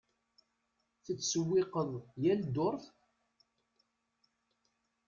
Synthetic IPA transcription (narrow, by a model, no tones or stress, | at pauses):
θət͡sːsəwːɪqəðˤjæld̪oɾˤθ